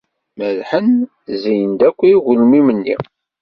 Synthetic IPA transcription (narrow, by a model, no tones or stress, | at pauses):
məlħən | zijənd̪ækʷːiːɣʊlmimənːḭ